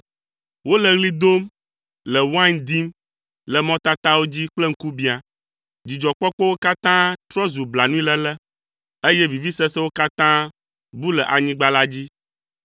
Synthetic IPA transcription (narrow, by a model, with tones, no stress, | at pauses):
wo˦lɛ˨ɣli˦d̪o˦m | lɛ˨wã˦nd̪i˦m | lɛ˨mɔ̃˦t̪a˦t̪a˦wo˦d͡ʑi˦k͡plɛ˦ŋ̩˦ku˦bi˨a˨ | d͡ʑi˨d͡ʒɔ˨k͡pɔ˦k͡pɔ˦wo˦ka˦t̪ã˦t̪ɾɔ˦zu˨bla˨nũ˦i˦lɛ˦lɛ˦ | e˦jɛ˦vi˨vi˦sɛ˦sɛ˦wo˦ka˦t̪ã˦ | bu˦lɛ˨ʔa˨ɲĩ˦ɡ͡ba˦la˦d͡ʑi˦